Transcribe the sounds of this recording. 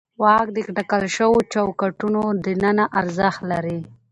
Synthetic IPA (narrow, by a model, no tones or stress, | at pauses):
wɑk̚d̪əkʈakalʃəwot͡ʃawkaʈunod̪ənənaʔaɾzəxt̪laɾi